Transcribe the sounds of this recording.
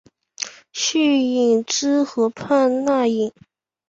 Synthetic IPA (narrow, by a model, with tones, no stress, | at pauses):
ɕy˥˩i˨˩ŋʈ͡ʂɻ̩˥xɤ˧˥pʰa˥˧nna˥˩i˨˩ŋ